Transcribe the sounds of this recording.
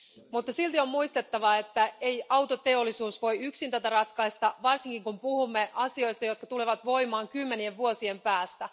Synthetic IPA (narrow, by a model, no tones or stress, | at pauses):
mut̪ːɑsilt̪io̞mmuijst̪e̞t̪ːɑʋɑe̞t̪ːæe̞jɑwt̪o̞t̪e̞olːisuːsʋo̞jyksint̪æt̪ærɑt̪kɑist̪ɑʋɑrsiŋkiŋkumpuhumːe̞ʔɑsio̞jst̪ɑjo̞t̪̚kɑt̪uleʋɑt̪ʋo̞jmɑːŋkymːenie̞ʋʋuosie̞mpæːst̪æ